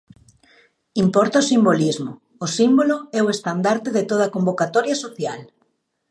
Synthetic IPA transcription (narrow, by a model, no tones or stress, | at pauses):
impɔɾt̪aosimbolizmoː | simboloɛoest̪and̪aɾt̪eðet̪oð̞akombokat̪ɔɾjasoθjal